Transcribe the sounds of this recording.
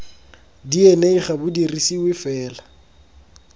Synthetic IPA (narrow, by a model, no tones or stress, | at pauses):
dieneiχabʊdirisiwɪfɛːla